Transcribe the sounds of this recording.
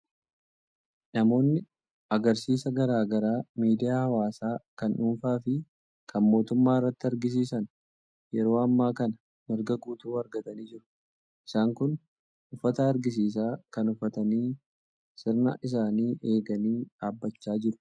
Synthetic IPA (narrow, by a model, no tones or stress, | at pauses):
nɐmo̞ːnːɪ | ɐɡɐɾsiːsɐɡɐɾaːɡɐɾaːmiːd̪ɪjaːhɐwaːsaːkɐnʔuːnfaːfɪ | kʰɐnmo̞ːt̪ʊmːaːɪrːɐt̪ːɪɐɾɡɪs̬iːsɐn | jɛɾo̞ːɐmːaːkɐnɐ | mɪɾɡɐɡuːt̪uːɐɾɡɐt̪ɐniːd͡ʒɪɾʊ̥ | ʔɪ̥saːŋkʊn | ʊfːɐt̪ɐːɾɡɪs̬iːs̬aːkɐnʊfːɐt̪ɐniː | sɪɾnɐ̰ʔɪs̬aːniːʔe̞ːɡɐniːᶑaːbːɐt͡ʃːaːd͡ʒɪɾʊ̥